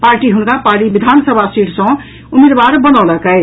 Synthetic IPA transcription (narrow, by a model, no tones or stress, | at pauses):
paɾʈiɦunkapaɾʈibid̪ʱansəbʱasiʈʰsə̃ | umed̪baɾbənɔləkɛɪ